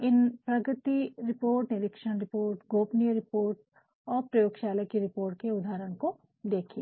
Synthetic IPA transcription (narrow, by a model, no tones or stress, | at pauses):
ɪnpɾɐɡət̪iɾɪpoːʈnɪɾɪkʃəɳɾɪpoːɾʈɡoːpnijəɾɪpoːɾʈ̚ | ɔːɾpɾɐjoːɡʃaːləjkeɾɪpoːɾʈ̚keʊd̪ʱaːɾənko | d̪eːkʰi